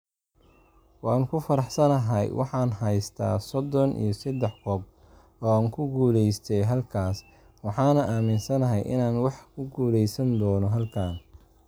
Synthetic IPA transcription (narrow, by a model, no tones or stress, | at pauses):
wɑːnkʰʊfɐɾɑħsɐnɐɦɐjwʔɑ̰ħɑːnɦɐjst̪ʰa̰ːsɔd̪ɔnʔḭjɔsɐd̪ɛħkʰɔːb̚ | ɔːaːŋkʰʊɡuːlɛjst̪ʰɛjɦɐlkʰaːs | wɑħɑːnɐʔaːmɪnsɐnɐɦɛjʔɪ̰naːnwɑħkʰʊɡuːlɛjsɐnd̪ɔːnɔɦɐlkʰaːn